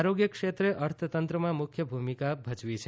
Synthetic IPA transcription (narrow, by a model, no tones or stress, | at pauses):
ɾoɡjəkʂet̪ɾeʔʌɾt̪ʰət̪ənt̪ɾəmãmukʰjəbʱumikabʱəd͡ʒʋit͡ʃʰe